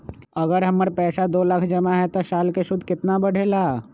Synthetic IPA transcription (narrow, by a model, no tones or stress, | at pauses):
əɡəɾɦɐmːəɾpɛːsad̪oːləkʰd͡ʒəmaɦɛt̪osaːlkeʃʊd̪ʱkɪt̪nabəɽ̤ʱelaː